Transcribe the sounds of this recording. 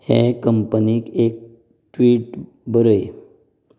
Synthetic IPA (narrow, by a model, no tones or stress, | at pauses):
hẽkəmpəniːkek̚ | ʈʋiːʈ | bəɾəj